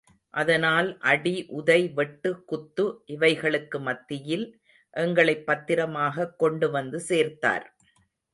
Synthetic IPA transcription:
ʔɐðɐnaːlʔɐɽiʔʊðɐɪʋɛʈːɯkːʊt̪ːɯʔɪʋɐɪɣɐɭɯkːɯmɐt̪ːɪjɪl | ʔɛŋɡɐɭɐɪpːɐt̪ːɪɾɐmaːɣɐkːɔɳɖɯʋɐnd̪ɯseːɾt̪a̰ːɾ

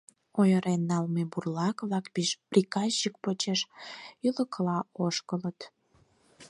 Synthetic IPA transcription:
ojəɾenːɑlmeburlɑkβlɑkbiʃprikɑsik̚pot͡ɕeʃyləkəlɑoʃkələt̪

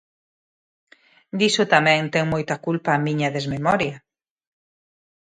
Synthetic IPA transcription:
d̪isʊt̪amɛ̃ŋt̪ɛŋmɔjt̪ɐkulpɐːmiɲɐðezmemɔɾjɐ

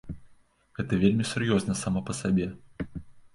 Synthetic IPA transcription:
ɣɛt̪ɐvʲelʲmʲisurjɔznɐsamɐpɐsabʲɛ

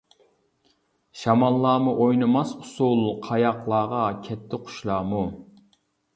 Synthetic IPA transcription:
ʃɑmɑlˠːɑːmuʔojnɨmɑsʊ̥sulˠqʰɑjɑqlˠɑːʁɑkʲʰɛt̪ʰːɪqʰʊ̥ʃlˠɑːmu

